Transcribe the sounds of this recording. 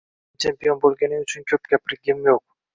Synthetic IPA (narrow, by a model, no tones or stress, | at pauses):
t͡ʃʰe̞mpʲijo̞nbølɡʲe̞niyt͡ʃʰynkʰøp̚kʲæpɪɾɡʲimjoq̚